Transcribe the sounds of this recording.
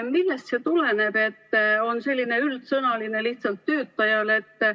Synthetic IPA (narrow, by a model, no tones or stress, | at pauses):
milːe̞st̪se̞t̪ule̞ne̞b̥e̞t̪ːo̞nse̞lʲːine̞ylt̪sɤnɑline̞liht̪sɑlt̪ːø̞ːt̪ːˑɑjɑle̞t̪ː